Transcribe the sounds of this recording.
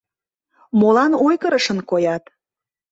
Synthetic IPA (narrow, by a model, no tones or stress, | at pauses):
molɑnojkəɾəʃənkojɑt̪